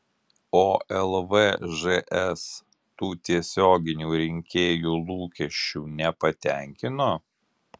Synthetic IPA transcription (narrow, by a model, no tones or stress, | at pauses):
oːɛlˠʋɛʒɛʔɛs | t̪uːt̪ʲiɛsʲoːɡʲɪnʲuːɾʲɪŋʲkʲeːjuːlˠuːkʲɛʃʲt͡ʃʲuːnʲɛpɐt̪ʲæˑŋʲkʲɪnoː